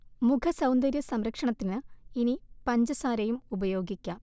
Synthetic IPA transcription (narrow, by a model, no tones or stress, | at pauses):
mukʰɐsɐwnd̪ɐɾjɐsɐmɾɐkʂɐɳɐt̪ːinɨinipɐɲd͡ʑɐsaːɾɐjumubɐjo̞ːɡikʲːɐ